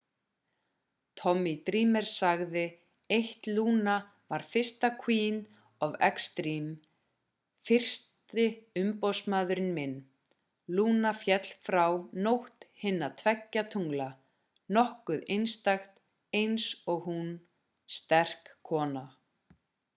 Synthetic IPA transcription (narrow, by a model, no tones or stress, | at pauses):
t̪ʰɔmːit̪ɾiːmɛɾ̥saɣðɪ | ejht̪luːna | vaɾ̥fɪr̥st̪akʰviːn | avɛ̰kst̪ɾiːm | fɪr̥st̪ɪʏmpowsmaːðʏɾɪnmɪnː | luːnafjɛt̪l̥fɾawnowht̪hɪnːat̪ʰvɛcːat̪ʰuŋla | nɔhkʏðejnst̪axt̪ | ejnsɔɣhun | st̪ɛr̥kʰːɔːna